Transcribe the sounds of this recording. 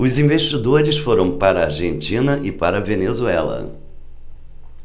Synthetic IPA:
ʊzĩveʃt͡ʃid̪oɾɪsfoɾɐ̃w̃paɾɐaɾʒẽnt͡ʃĩnɐʔɪpaɾɐvenezuɛlɐ̰

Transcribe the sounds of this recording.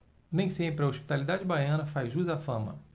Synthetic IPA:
nẽj̃sẽpɾɪɐoʃpi̥t̪alid̪ad͡ʒɪbajɐ̃nɐfazʒuzafɐ̃mɐ̰

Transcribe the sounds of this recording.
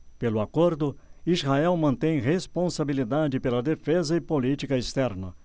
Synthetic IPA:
pelʊakoɾd̪ʊizhaɛwmɐ̃nt̪ẽj̃ʁespõsabilid̪ad͡ʒɪpelɐd̪efezɐɪpolit͡ʃikɐest̪ɛɾnɐ̰

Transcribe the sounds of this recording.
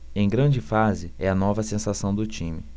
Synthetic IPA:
ẽj̃ɡɾɐ̃d͡ʒɪfazɪɛɐnɔvɐsẽsasɐ̃w̃d̪ʊt͡ʃĩmɪ

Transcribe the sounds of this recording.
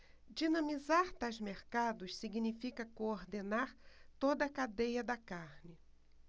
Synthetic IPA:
d͡ʒinɐ̃mizaɾt̪azmeɾkad̪ʊssiɡinifikɐkooɾd̪enaɾt̪od̪ɐːkad̪ejɐd̪ɐkaɾnɪ

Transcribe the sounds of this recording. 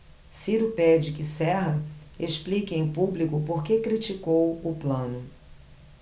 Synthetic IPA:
siɾʊpɛd͡ʒɪkɪsɛɦɐeʃplikɐẽj̃publikʊpoɾkekɾit͡ʃikowʊplɐ̃nʊ

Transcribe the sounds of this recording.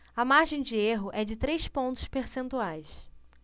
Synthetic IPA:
ɐmaɾʒẽj̃d͡ʒɪeɦʊʔɛd͡ʒɪt̪ɾejspõnt̪ʊ̥speɾsẽnt̪uajs

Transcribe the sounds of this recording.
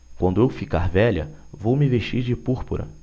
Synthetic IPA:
kwɐ̃nd̪ʊewfikaɾvɛʎɐ̰vowmɪveʃt͡ʃiɾd͡ʒɪpuɾpuɾɐ̰

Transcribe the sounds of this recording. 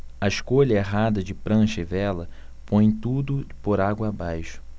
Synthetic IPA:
ɐɪʃkoʎɐeɦad̪ɐd͡ʒɪpɾɐ̃ʃevɛlɐ | põj̃t̪ud̪ʊpoɾaɡwɐːbajʃʊ̥

